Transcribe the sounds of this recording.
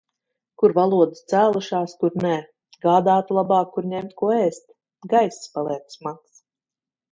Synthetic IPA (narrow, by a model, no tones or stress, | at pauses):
kuɾvalˠuɔd̪ɨst̪sæːlˠuʃaːskuɾnɛː | ɡaːd̪aːt̪ulˠabɑːkːuɾɲɛmt̪kuɔɛːst̪ | ɡajsspalˠɛɛt̪smaks